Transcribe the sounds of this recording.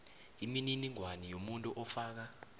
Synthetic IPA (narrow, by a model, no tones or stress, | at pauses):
imininiŋwanijomuntʼuʔɔfaːk̬a